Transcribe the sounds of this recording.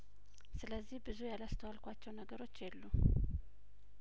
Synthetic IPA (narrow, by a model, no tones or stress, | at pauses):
sɨləzːihbɨzujalast̪ʰəwalkʷat͡ʃːɛwnəɡəɾo̞t͡ʃːjɛlːu